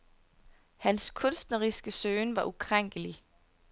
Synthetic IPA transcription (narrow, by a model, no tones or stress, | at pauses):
hænskʰɔ̽nsd̥nəʁisɡ̥əsøːnʋɑ̈ʔukʰʁaŋ̰ɡ̥əli